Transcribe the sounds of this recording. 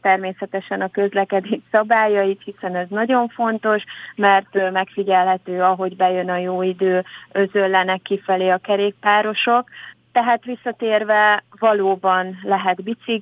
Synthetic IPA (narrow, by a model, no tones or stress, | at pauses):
t̪ɛrmeːsɛt̪ɛʃɛnɒkø̞zlɛkɛd̪eːtsɒbaːjɒjit̪hisɛnɛznɒɟo̞ɱfo̞nt̪o̞ʃmɛrt̪mɛkfiɟɛlɦɛt̪øːɒɦo̞ɟbɛjø̞nɒjoːid̪øːø̞zølːɛnɛkːifɛleːɒkɛɾeːk̚paːɾo̞ʃo̞kt̪ɛɦaːt̪ʋisːɒt̪eːrvɛvɒloːbɒnlɛɦɛd̪bit̪siɡ